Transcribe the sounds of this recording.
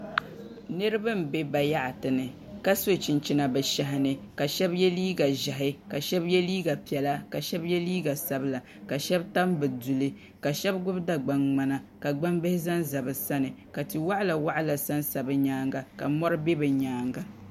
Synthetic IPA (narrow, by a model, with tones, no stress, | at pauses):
nɨ˦ɾɨ˦ba˦m̩˨be˦ba˨ja˦ʔa˨tɨ˨nɨ˨ | ka˦so˦t͡ʃɪ˨nt͡ʃi˨na˨bɛ˨ʃa˨ɦɪ˨nɨ˨ka˨ʃɛ˦bjɛ˦liː˦ɡa˨ʒa˨ɦɪ˦ka˨ʃɛ˦bjɛ˦liː˦ɡa˨pi˨ɛ˨la˦ka˨ʃɛ˦bjɛ˦liː˦ɡa˨sa˦bla˨ | ka˨ʃɛ˦bta˦mbɨ˨du˨lɨ˦ | ka˨ʃɛ˦bɡʊ˦bda˨ɡ͡ba˨ŋŋ͡ma˨na˨ka˨ɡ͡ba˦mbɪ˦hɪ˦za˦nza˨bɨ˨sa˦nɨ˨ka˨ti˨wa˦ʔa˦la˨wa˦ʔa˦la˨sa˦nsa˨bɨ˨ɲaː˦ŋɡa˨ka̰˨mɔ˦ɾɨ˦be˦bɨ˨ɲaː˨˦ŋɡa˨